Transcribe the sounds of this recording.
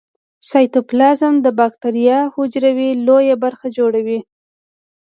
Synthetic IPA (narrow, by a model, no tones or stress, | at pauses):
sɑjt̪ʊplɑzɪmd̪əbɑkt̪aɾijɑhʊd͡ʒɾawilojabaɾxad͡ʒoɽawi